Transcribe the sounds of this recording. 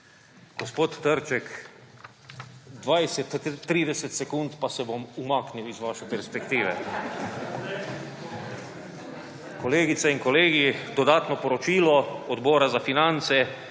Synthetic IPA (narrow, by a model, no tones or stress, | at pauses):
ɡ̥ospoːt̪ːəɾt͡ʃɛk | d̪ʋajsɛt̪t̪ːɾiːd̪ɛsɛt̪sɛkunt̪pasɛbomumaːkniwizʋaːʃɛpɛɾspɛkt̪iːʋɛ̰ | koleːɡit̪sɛiŋkoleːɡid̪ɔd̪aːt̪nɔpɔɾɔt͡ʃiːlɔɔd̪bɔːɾazafinant̪sɛ